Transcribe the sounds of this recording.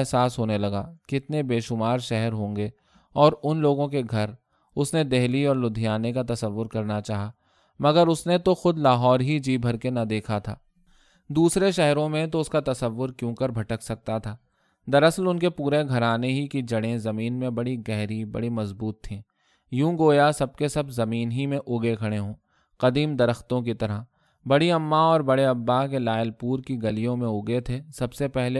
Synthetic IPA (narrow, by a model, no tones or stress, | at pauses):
ɦsaːsɦoːnelɐɡakɪt̪nebeːʃʊmaːɾʃɛɦɛɾɦõːŋɡeː | ɔːɾʊnloːɡõkeɡʱɐɾ | ʊsned̪ɛɦliɔːɾlʊd̪ʱijaːnekat̪ɐsəʋːʊɾkɐɾnat͡ʃaːɦa | mɐɡəɾʊsnet̪oxʊd̪laːɦɔːɾɦid͡ʒiːbʱɐɾkenɐd̪eːkʰat̪ʰa̰ː | d̪uːsɾeʃɛɦɾõmẽt̪oʊskat̪ɐsəʋːʊɾkjõːkəɾbʱɐʈəksɐk̚t̪at̪ʰaː | d̪ɐɾɐslʊnkepuːɾeɡʱɐɾaːneɦikid͡ʒɐɽẽzɐmiːnmẽbɐɽiɡɛɦɾibɐ̰ɽimɐzbuːt̪ʰːĩː | jũːɡoːjasɐb̚kesɐbzɐmiːnɦimẽʔʊɡekʰɐɽ̃eɦõː | qɐd̪iːmd̪ɐɾəxt̪õkit̪ɐɾə | bɐɽiɐmːaɔːɾbɐɽeɐbːakelaːɪəlpuːɾkiɡɐlijõmẽʊɡet̪ʰeːsɐbsepɛɦle